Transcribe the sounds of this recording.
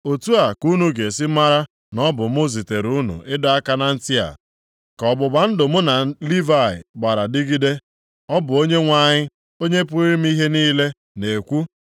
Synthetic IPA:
o˨tu˦a˨ku˦nu˨ɡe˨sɪ˦ma˦ɾa˦ | nɔ˦bʊ˨mʊ˦zi˨te˨ɾu˦nṵ˨ʔɪ˦dɔ˦a˦ka˦na˦n̩˦tɪ˦a̰˨ | kɔ˨bʊ˨ba˨n̩˦dʊ˨mʊ˦na˨li˦va˦˨ɪ̰˨ɡ͡ba˨ɾa˨dɪ˦ɡi˦de˦ | ɔ˦bʊ˨o˦ɲe˦ŋʷa˨ɲɪ˦ | o˦ɲe˦pʊ˦ɾi˦m̩˦i˦ɦe˦niː˦le˦ | ne˨kʷu˦

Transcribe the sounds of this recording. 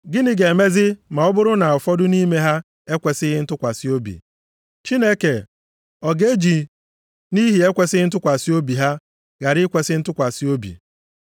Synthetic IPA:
ɡɪ˦nɪ˦ɡe˨me˦zɪ˦ma˨ɔ˦bʊ˦ɾʊ˦na˨ʊ˨fɔ˦dʊ˦ni˦me˦ɦa˦ | e˦kʷe˨sɪ˦ɣɪ˦n̩˦tʊ˦kʷa˨si˦o˦bḭ˨ | t͡ʃi˦ne˦ke˨ | ɔ˨ɡe˦d͡ʒi˨ | ni˦ɦi˨e˦kʷe˨sɪ˦ɪ˦n̩˦t̬ʊ˦kʷa˨si˦o˦bi˨ɦa˦ | ɣa˨ɾɪ˦kʷe˨sɪ˦n̩˦tʊ˦kʷa˨si˦o˦bḭ˨

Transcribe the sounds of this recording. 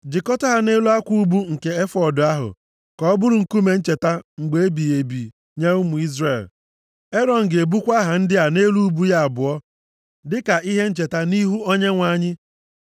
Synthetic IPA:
d͡ʒɪ˨kɔ˦tɔ˦ɦa˦ne˦lu˦a˦kʷu˦u˦bu˦ŋ̩˨ke˦e˦fɔ˦˨dʊ˨a˦ɦʊ̰˨ | kɔ˦bʊ˦ɾʊ˨ŋ̩˨ku˦me˨n̩˦t͡ʃe˨ta˦ŋ͡m̩˨ɡ͡be˨e˦bi˨e˨bi˨ | ɲe˦ʊ˦mʊ˨i˦zre˨l | e˦ɾɔ˨ŋ̩˨ɡe˨bu˦kʷa˦ɦa˨n̩˦dɪ˦a˨ne˦lu˦u˦bu˦ja˦a˨bʊ˨ɔ˦ | dɪ˦ka˨ʔi˦ɦe˦n̩˦t͡ʃe˨ta˦ni˦ɦu˦o˦ɲe˦ŋʷa˦ɲɪ˦

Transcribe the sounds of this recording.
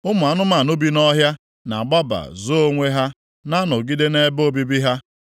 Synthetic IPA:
ʊ˦mʊ˨a˨nʊ˦ma˨nʊ˦bi˦nɔ˦ɦja˦ | na̰˨ɡ͡ba˦ba̰˨zo˦o˦ŋʷe˦ɦa˦ | na˦nʊ˨ɡi˦de˦ne˦bo˦bi˦bi˦ɦa˦

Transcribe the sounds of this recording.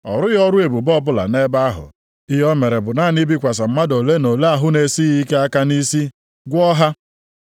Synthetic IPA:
ɔ̰˨ɾʊ˦jɔ˦ɾʊ˦e˨bu˨bɔ˦bʊ˦la̰˨ne˦ba˦ɦʊ̰˨ | ɪ˦ɦɔ˦me˨ɾe˨bʊ˨na˦˨ni˦bi˦kʷa˨s̬a˨m̩˦ma˦do˨le˦no˨le˦a˦˨ɦʊ˦ne˨si˦ɣi˦ke˦a˦ka˦ni˦si˦ | ɡʷʊ˦ɔ˦ɦa˦

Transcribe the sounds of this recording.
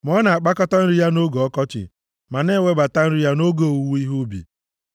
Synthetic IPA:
mɔ˦na˨a˨k͡pa˦kɔ˦ta˦n̩˦ɾi˦ja˦no˦ɡo˨ɔ˦kɔ˦t͡ʃɪ̰˨ | ma˨ne˦˨we˦ba˨ta˦n̩˦ɾi˦ja˦no˦ɡo˨wu˨wu˦i˦ɦu˦bḭ˨

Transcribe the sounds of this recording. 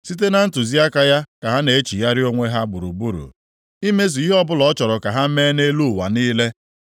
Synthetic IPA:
si˦t̬e˦na˨n̩˦tʊ˨zi˦a˦ka˨ja˦ka˨ɦa˦ne˨e˦t͡ʃi˨ja˦ɾɪ˦o˦ŋʷe˦ɦa˦bʊ˨ɾṵ˨bu˦ɾṵ˨ | i˦me˦s̬i˨i˦ɦɔ˦bʊ˦lɔ˨˦t͡ʃɔ˨ɾɔ˨ka˨ɦa˦meː˦ne˦lu˦˨wa̰˨niː˦le˦

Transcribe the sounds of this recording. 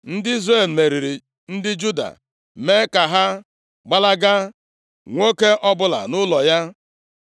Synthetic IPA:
n̩˦dɪ˦i˦zre˦˨l̩˨me˨ɾi˨ɾi˨ | n̩˦dɪ˦d͡ʒu˦da̰˨ | me˦ka˨ɦa˦ | ɡ͡ba˦la˦ɡa˦ | ŋʷo˦ke˦ʔɔ˦bʊ˦la̰˨nʊ˦lɔ˨ja˦

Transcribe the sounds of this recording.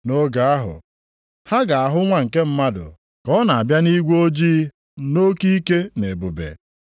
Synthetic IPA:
no˦ɡa˨a˦ɦʊ̰˨ | ha˦ɡa˨a˨ɦʊ˦ŋʷa˨ŋ̩˨ke˦m̩˦ma˦dʊ̰˨ | kɔ˦na˨a˨bja˦ni˦ɡʷo˦d͡ʒiː˦ | no˦ki˦ke˦ne˨bu˨bḛ˨

